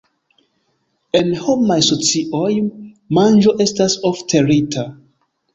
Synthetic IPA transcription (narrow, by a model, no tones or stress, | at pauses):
enhomajsot͡siʔoj | mãnd͡ʒoʔestasoftʰeɹitʰa